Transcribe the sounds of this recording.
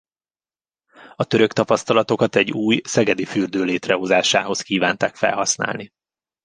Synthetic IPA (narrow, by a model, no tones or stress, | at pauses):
ɒt̪ø̞ɾøkt̪ɒpɒst̪ɒlɒt̪o̞kɒt̪ɛɟːuːjsɛɡɛd̪ifyrd̪øːleːt̪rɛɦo̞zaːʃa̰ːɦo̞skiːvaːnt̪aːkfɛ̰lɦɒsna̰ːlni